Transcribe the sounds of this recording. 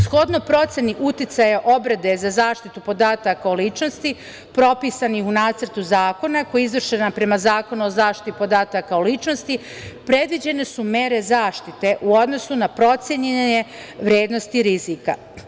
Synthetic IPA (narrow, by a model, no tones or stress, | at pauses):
sxo̞d̪nopɾo̞t̪sʲjeniʔut̪it̪sajaʔo̞bɾed̪e̞zazaːʃt̪it̪upo̞d̪aːt̪akaolit͡ʃno̞st̪i | pɾo̞piːsanixunaːt̪sərt̪uzaːko̞nakojeizʋr̩ʃenapɾe̞mazaːko̞nuozaːʃt̪i̥t̪ipo̞d̪aːt̪akaolit͡ʃno̞st̪i | pɾe̞d̪ʋid͡ʑe̞ne̞sume̞ɾe̞zaːʃt̪it̪e̞ʔuo̞d̪no̞sunapɾo̞t̪sjeɲeɲe̞ | ʋɾje̞ːd̪nost̪iɾizika̰